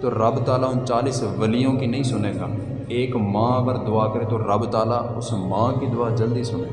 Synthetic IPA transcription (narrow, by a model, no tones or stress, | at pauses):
t̪oːɾəbt̪aːlaːɦʊnt͡ʃaːliːsʋəlijõkinəĩːsʊneːɡaː | eːkmãːpəɾd̪ʊaːkəɾet̪oːɾəbt̪aːlaːʊsmãːkid̪ʊaːd͡ʒəld̪iːsʊne